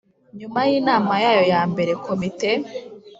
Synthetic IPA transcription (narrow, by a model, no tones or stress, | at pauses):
ɲumajiːnaːmajaːjo̞jaːmbe̞ɾe̞kʰomite